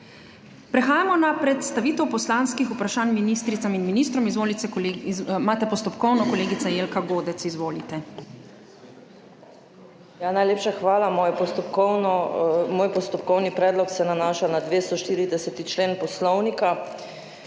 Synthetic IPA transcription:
pɾɛxaːjamɔnapɾɛt̪st̪aʋiːt̪ɛwpɔslaːnskixupɾaʃaːnminist̪ɾit̪saminminiːs̬t̪ɾɔmizʋoːlit̪sɛ | maːt̪ɛpɔst̪ɔpkɔwnɔkɔleːɡit̪sajeːlkaɡoːd̪ɛt̪sizʋoːlit̪ɛ | janajleːpʃaxʋaːlamojɛpɔst̪ɔpkɔwnɔmoːjpɔst̪ɔpkɔwnipɾɛːd̪lɔksɛnanaːʃanad̪ʋeːst̪ɔʃt̪iːɾid̪ɛsɛt̪it͡ʃleːnpɔslɔwnika

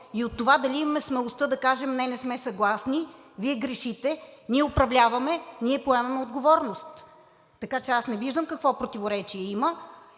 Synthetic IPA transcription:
iot̪ːovad̪ɐlʲiimɐmɛsmɛlˠost̪ɤd̪ɐkaʒɛmnɛnɛsmɛsɐɡlˠasni | viɛɡɾɛʃit̪ɛniɛopɾɐvlʲavɐmɛniɛpoɛmɐmɛod̪ɡovɔɾnost̪ː | ɐkat͡ʃɛasnɛviʒd̪əmkɐkvɔpɾot̪ivoɾɛt͡ʃiɛimə

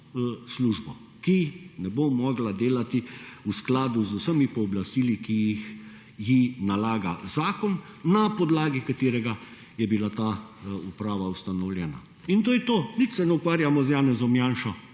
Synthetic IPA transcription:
sluʒbɔ | kinɛbomɔɡlad̪eːlat̪iusklaːd̪uzusəmipɔːblast̪iːlikijix | jinalaːɡa̰zaːkɔnːapɔd̪laːɡikat̪eːɾɛɡa | jɛbilat̪aupɾaːʋaust̪anɔwlʲjɛːna̰ | int̪oːjɛt̪oːnit̪sɛnɛukʋaːɾjamɔzjaːnɛzɔmjaːnʃɔ

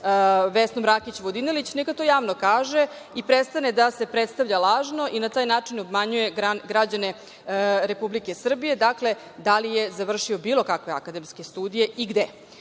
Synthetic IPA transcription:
ʋesnomɾakit͡ɕʋod̪inelit͡ɕnekat̪o̞jaːʋnokaːʒe̞ | ipɾet̪st̪aned̪ase̞pɾet̪st̪aʋʎalˠaːʒno̞ʔinat̪aːjnaːt͡ʂinobmaɲuje̞ɡaɡɾad͡ʑane̞ | ɾepublike̞sr̩bije̞d̪akle̞ | d̪alijezaʋr̩ʃio̞biːlˠokakʋe̞a̰kad̪emske̞st̪uːd̪ije̞ʔiɡd̪e

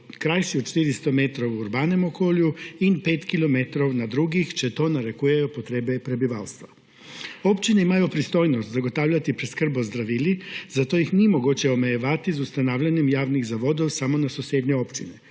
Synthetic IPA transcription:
kɾajsiot͡ʃt̪iɾist̪o̞met̪ɾouuɾbaːne̞mokoːluinpe̞ːt̪kilˠo̞met̪ɾoʋnad̪ɾuɡixt͡ʃet̪o̞ːnaɾe̞kuːjajopot̪ɾeːbepɾe̞biʋa̰ːlst̪ʋa | o̞pt͡ʃineimajupɾist̪o̞ːjnost̪zaɡo̞t̪aʋʎat̪ipɾeskr̩bozd̪ɾaʋilizat̪o̞jixniemoɡut͡ɕeomejeʋat̪izust̪anaːʋʎaɲe̞mjaːʋniɣzaʋo̞d̪oʋsamo̞nasusʲjeːd̪ɲeo̞pt͡ʃine

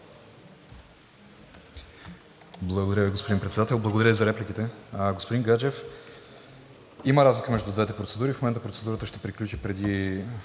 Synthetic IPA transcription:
blˠɐɡod̪ɐɾʲjəviɡospod̪inpɾɛt̪sɛd̪at̪ɛlˠblˠɐɡod̪ɐɾəvizɐɾɛplʲik̟it̪ɛɡospod̪inɡad͡ʒɛf | iməɾazlʲikəmɛʒd̪ud̪vɛt̪ɛpɾot̪sɛd̪uɾifmomɛnt̪əpɾot̪sɛd̪uɾət̪əʃt̪ɛ̥pɾiklʲut͡ʃipɾɛd̪i

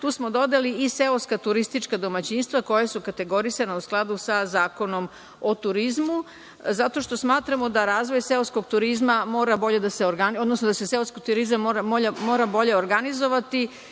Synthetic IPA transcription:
t̪uːsmo̞d̪o̞d̪eliiseoskat̪uɾist̪it͡ʃkad̪o̞mat͡ɕinst̪ʋako̞jasukat̪e̞ɡo̞ɾisanausklˠad̪usazaːko̞no̞m | ot̪uɾizmu | zat̪o̞ʃt̪o̞smaːt̪ɾamod̪aɾaːzʋo̞jse̞oskoɡt̪uɾizmamo̞ːɾabo̞ʎe̞d̪aseoɾɡano̞d̪nosnod̪aseseoskot̪uɾizamːoːɾamoːʎamo̞ːɾabo̞ʎe̞oɾɡanizo̞ʋat̪i

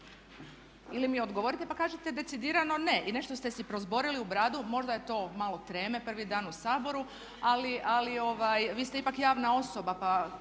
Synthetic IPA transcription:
ilimio̞d̪ɡoʋo̞ɾit̪e̞pakaːʒet̪ed̪e̞tsid̪iːɾano̞ne̞ʔine̞ʃt̪ost̪e̞sipɾo̞zbo̞ɾiliubɾaːd̪umo̞ʒd̪aje̞t̪o̞ːmalo̞t̪ɾe̞ːme̞pr̩ʋid̪aːnusaːbo̞ɾu | aliʔalio̞ʋajʋiːst̪e̞ipakjaːʋnao̞so̞bapa

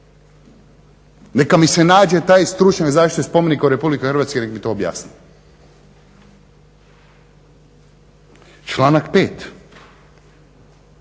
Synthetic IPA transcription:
nekamisenaːd͡ʑe̞t̪aːjst̪ɾut͡ʃɲakzaːʃt̪it̪espo̞menikauɾepublikexrɾʋaːt̪skenekmit̪oːbja̰ːsni | t͡ʃlaːnakpeːt̪

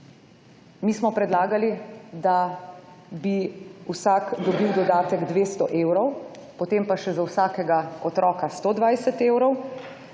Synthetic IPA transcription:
miːsmɔpɾɛd̪laːɡalid̪a | biuwsaːkd̪ɔbiwd̪ɔd̪aːt̪ɛɡd̪ʋeːst̪ɔʔeːwɾɔw | pɔt̪empaʃɛzawsaːkɛɡaɔt̪ɾɔːkast̪oːd̪ʋajsɛt̪eːwɾɔw

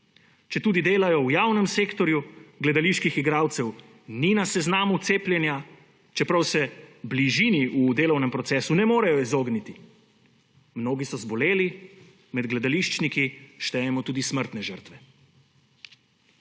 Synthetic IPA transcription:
t͡ʃɛt̪uːd̪id̪eːlajɔwjaːwnɛmseːkt̪ɔɾjuɡlɛd̪aliʃkixiɡɾaːwt̪sɛw | ninasɛznaːmut̪seːpljɛnja | t͡ʃɛpɾawsɛbliʒiːniud̪eːlɔwnɛmpɾɔt̪sɛːsunɛmoːɾɛjɔizoːɡnit̪i | mnoːɡisɔzbɔleːli | mɛd̪ɡlɛd̪aliʃt͡ʃnikiʃt̪ɛjɛmɔt̪uːd̪isməɾt̪nɛʒəɾt̪ʋɛ

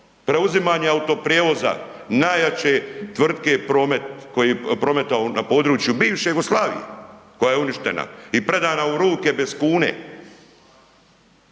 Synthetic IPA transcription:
pɾe̞uzimaːɲeaut̪o̞pɾjeːʋo̞za̰ | naːjat͡ɕe̞t̪ʋr̩d̪ke̞pɾo̞ːme̞t̪̚ko̞jipɾo̞me̞t̪aonapo̞ːd̪ɾuːt͡ʃjubiːʋʃe̞juɡoslˠaːʋḭjḛko̞jajeuniʃt̪e̞na̰ipɾe̞d̪aːnauɾuːke̞be̞skuːnḛ

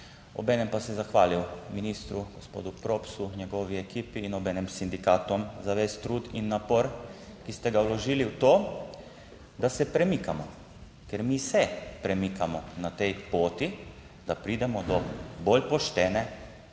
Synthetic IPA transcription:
ɔ̰bɛːnɛmpasɛzaxʋaːliwminiːst̪ɾuɡ̥ospo̰ːd̪upɾoːpsuɲɛɡɔːʋiekiːpiːnɔbɛːnɛmsind̪ikaːt̪ɔmzaʋeːst̪ɾuːd̪inːapoɾkist̪ɛɡawlɔʒiːliwt̪oː | d̪asɛpɾɛmikamɔ | kɛɾmisɛpɾɛmikamɔnat̪ɛjpoːt̪i | d̪̥apɾiːd̪ɛmɔd̪ɔbolpɔʃt̪ɛːnɛ

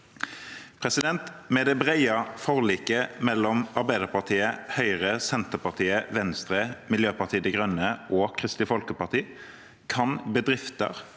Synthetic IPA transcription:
pʰʁɛsɪd̪ɛnt̪mɛːd̪ɛbʁæɪɑfɔʁliːkəmɛlːɔmɑʁbæɪd̪əʁpɑʁt̪ʰiːəhœʏʁəsɛnt̪əʁpɑʁt̪ʰiːəʋɛnst̪ʁəmɪljøːpɑʁt̪ʰiːəd̪ɛɡʁœnəʔoːkʰʁɪst̪ɪfɔlkəpɑʁt̪ʰiː | kʰɑnbəd̪ʁɪft̪ə̰ʁ

